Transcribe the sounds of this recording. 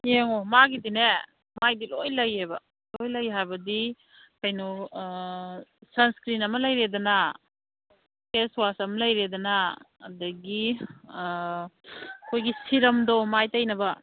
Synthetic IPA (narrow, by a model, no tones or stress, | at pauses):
eŋomaɡidine | majdilojlɐjebɐ | lojlɐjɦajbɐdi | kɐjno | sɐnskɾinɐmɐlɐjɾedɐnɐ | keswasɐmɐlɐjɾedɐnɐ̰ː | dɐɡi | kʰojɡisiɾɐmdomajtɐjnɐbɐ